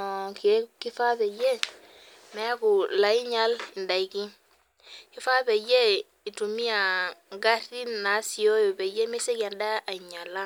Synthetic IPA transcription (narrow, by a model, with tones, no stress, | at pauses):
kki˦fa˦pe˨je˦ | mɛ˨a˦ku˨la˨i˦ɲa˦li˨nda˨i˨ki˦ŋ | ki˦fa˦be˨je˦ | i˨tu˨mi˦a˨ŋɡa˦ɾi˦na˨˦si˨o˦jo˨be˨je˦me˦se˦ka˨nda˦a˨ɲa˨la˦